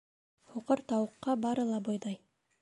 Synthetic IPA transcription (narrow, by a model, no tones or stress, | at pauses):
huqɤɾt̪ɑwɤ̆qːɑbɑɾɤ̆lˠɑbojðɑj